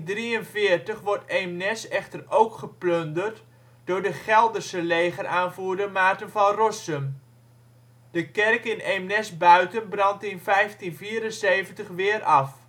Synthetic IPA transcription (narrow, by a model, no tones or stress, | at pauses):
driənvɪːrtəχʋɔrtemnɛsɛχtərowkχəpløndərt | d̥ʊːɹdəχɛlˠdərsəleːχərʔaːnvuːɹdəmaːtənvɑnrɔsəm | d̥əkɛrkɪnemnɛsbœɥtənbrɑntɪnfɛjftinfiːɾənseːvəntəχʋɪːrʔɑf